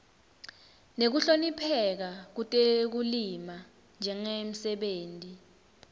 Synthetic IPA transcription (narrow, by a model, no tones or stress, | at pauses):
nek̬uɬonipʰɛk̬ak̬utʼek̬ulima | nd͡ʒʱɛŋem̩sɛɓeːntʼi